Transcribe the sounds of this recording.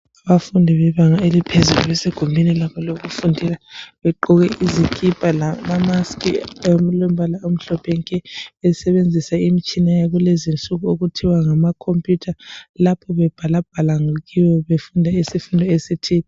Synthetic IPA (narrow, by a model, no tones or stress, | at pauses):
aβafundʱiβɛβaŋaelipʰezuluβɛseɡ̥ʱumbʱinilaβʰɔloɣufundʱilaβɛǃɔɣɛʔizikʼipʼalamamaskʼḭmlwem̩bʱalaom̩ɬɔpʰɛŋkʼɛɛsɛβend͡zʱisaimit͡ʃʼinajaɣulɛzint͡ɬʼuɣuoɣutʰiwaŋamakʰompʼjutʰalapʰɔβɛb̥ʱalab̥ʱalaŋuɣiwɔβefundʱaisifundʱɔesitʰiːni